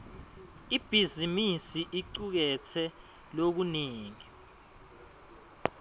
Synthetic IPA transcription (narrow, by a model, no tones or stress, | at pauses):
ib̥ʱizimisiʔiǀuk̬ɛtʰɛ | lok̬uneːŋi